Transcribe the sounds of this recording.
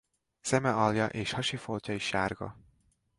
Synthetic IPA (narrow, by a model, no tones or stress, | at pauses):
sɛmɛɒljɒʔeːʃhɒʃifolcɒiʃːaːrɡɒ̰